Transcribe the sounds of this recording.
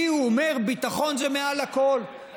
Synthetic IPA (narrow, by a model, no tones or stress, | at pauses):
iuomeʁbit̪aχo̞nzemealako̞l